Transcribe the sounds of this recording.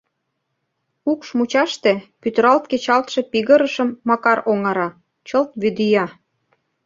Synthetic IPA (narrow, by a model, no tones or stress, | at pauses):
ukʃmut͡ɕɑʃt̪epyt̪ɾɑlt̪ket͡ɕɑlt̪ʃe̽piɣə̆ɾəʃə̆mːɑkɑɾoŋɑɾɑ | t͡ɕəlt̪βyd̪yjɑ